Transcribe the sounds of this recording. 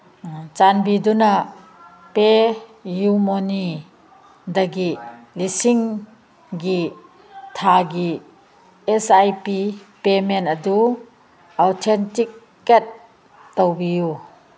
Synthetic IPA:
t͡ʃanbiduna | pejumoni | d̪ɐɡi | lisiŋ | ɡi | t̪ʰaɡi | ɛsajpipemɛnɐdu | ʔawtʰɛntik̚ː | at̚ː | ɔwbiju

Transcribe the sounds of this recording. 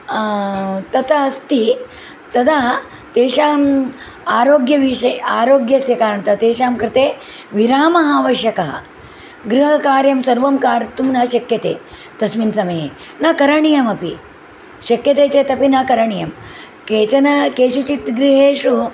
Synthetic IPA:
t̪ɐt̪ɐɐst̪i | t̪ɐd̪a | t̪eːʂaːm | aːɾoːɡjɐʋiʂɐjaːɾoːɡjɐsjɐkaːɾɐɳt̪ɐt̪eːʃaːmkɾɪt̪eː | ʋiɾaːmɐɦaːʋɐɕjɐkɐɦɐ̰ | ɡɾuɦɐkaːɾjɐmsɐɾʋɐmkaːɾt̪umnɐɕɐkjɐt̪ḛː | t̪ɐsʋinsɐmɐje | nɐkɐɾɐɳijɐmɐpḭ | ɕɐkjɐt̪eːt͡seːt̪ɐpinɐkɐɾɐɳijɐm | keːt͡ɕɐnɐkeːɕut͡ʃit̪ɡɾiɦeːʂu

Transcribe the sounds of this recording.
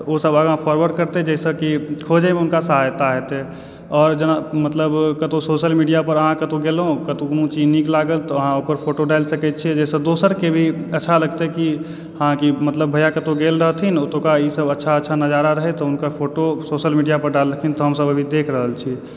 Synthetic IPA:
osəbəɡãpʰɔɾwəɾɖkəɾt̪ed͡ʒɛsəkikʰod͡ʒemeʊnkasəɦajt̪aɦɛt̪e | ɔːɾd͡ʒənamət̪ləbkət̪õsoʃəlmiɖijapəɾəɦãkət̪õɡelɦõkət̪õknũt͡ʃiniklaɡəlt̪ɔəɦãokəɾpʰoːʈoɖalsəkɛt̪̚t͡ʃʰiɛd͡ʒɛsə̃d̪osəɾkebʱiətːʃʰaləɡt̪eki | hãkimət̪ləbbʱəjakət̪õɡelɾəɦt̪ʰinot̪õkaisəbətːʃʰaətːʃʰanəd͡ʒaɾaɾəɦɛt̪ɔʊnkapʰoʈosoʃəlmiɖijapəɾɖalːəkʰint̪ɔɦəmsəbəbʱid̪ekʰɾəɦəlt͡ʃʰi

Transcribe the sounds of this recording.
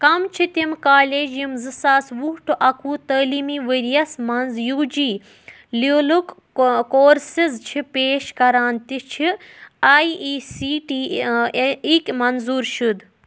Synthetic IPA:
kɐmt͡ʃʰit̪imkaːleːd͡ʒjimzɨsaːsʋuɦʈʰuʔɐkuːt̪əːlimiʋɨɾijɐsmɐnzjuːd͡ʒiː | liluk | koːɾsizt͡ʃʰipeːʃkɐɾaːnt̪it͡ʃʰiaːjiːsiːʈiː | ikʲmɐnzuːɾʃud̪

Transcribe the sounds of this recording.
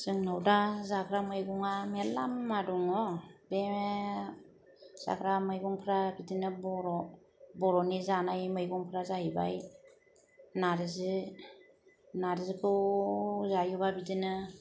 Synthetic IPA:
z̥ɯŋnawdazakʰɾamɯjɡuŋamelamːadɔŋɔbe | z̥a̰kʰɾamɯjɡuŋpʰɾabitinɯbɔɾɔ | bɔɾɔnizanajmɯjɡuŋpʰɾazahiba̰j | naɾɯzi | naɾizɯkʰɯ | zajubabitinɯ

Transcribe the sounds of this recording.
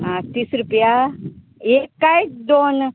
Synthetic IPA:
ãt̪iːsɾupja | ekːajd̪on

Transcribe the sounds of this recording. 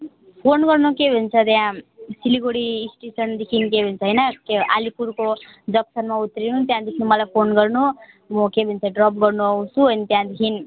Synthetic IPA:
pʰonɡʌrnukebʱunt͡sʰʌt̪jãsiliɡoɽiːsʈesʌnd̪ekʰinkebʱunt͡sʰʌɦʌjnʌkea̰lipuɾko | d͡zʌksʌnmaut̪ɾinut̪jãd̪ikʰnumʌlajpʰonɡʌrnu | mʌkebʱint͡sʰʌɖrʌp̚ɡʌrnuʌũsuʌnit̪jãd̪ikʰin

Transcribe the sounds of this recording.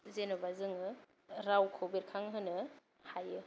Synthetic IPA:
zenɯbazɯŋɯ | ɾawkʰowbeɾkʰaŋɦɯnɯ | hajɯ

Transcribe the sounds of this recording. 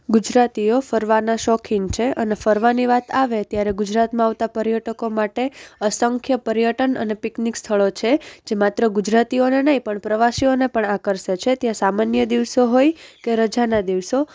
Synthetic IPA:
ɡud͡ʒɾat̪iofəɾʋanaʃɔkʰiŋt͡ʃʰeʔənefəɾʋaniʋat̪ʰaʋet̪jaɾeɡud͡ʒɾat̪mãaʋt̪apəɾjəʈəkomaʈeəsəŋkʰjəpəɾjəʈənə̰nepiknikst̪ʰəɭot͡ʃʰed͡ʒemat̪ɾəɡud͡ʒɾat̪ionenəɦĩpəɳpɾəʋasionepəɳakəɾʃet͡ʃʰet̪jãsamanjəd̪iʋsoɦojkeɾəd͡ʒanad̪iʋso

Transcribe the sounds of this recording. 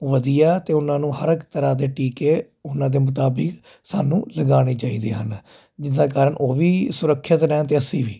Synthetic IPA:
ʋəd̪ijaːt̪eːʊnãːnũːɦəɾəkt̪əɾaːd̪eːʈiːkeː | ʊnãːd̪eːmʊt̪̬aːbɪk | saːnũːləɡaːɽ̃iːt͡ʃaːiːd̪iːɦən | d͡ʒɪd̪ãːkaːɾəɳʔoːʋiːsʊɾəkʰːət̪ɾɛ̃ːt̪eːəsiːʋiː

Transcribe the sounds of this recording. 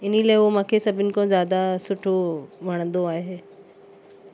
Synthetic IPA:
ɪnilaːɪomãːkʰesɐbʱɪnɪ̆kõzjaːd̪asʊʈʰomʱɐɽ̃ə̃nd̪oaːɦeː

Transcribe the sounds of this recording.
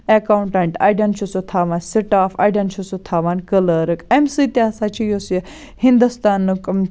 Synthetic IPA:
ekaːuɳʈɐɳʈa̰ːjɖɐnt͡ʃʰusot̪ʰaːʋansiʈaːfa̰jɖɐnt͡ʃʰusut̪ʰaːʋankələɾɨkemsit̪asat͡ʃʰijos | hĩnd̪ust̪aːnːɨk

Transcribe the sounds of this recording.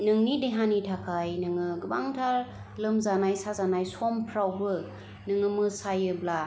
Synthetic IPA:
nɯŋnideɦanitʰakʰajnɯŋɯɡɯbaŋtʰaɾ | lɯmzanajsazanajsompʰɾawbɯ | nɯŋɯmɯsajɯbla

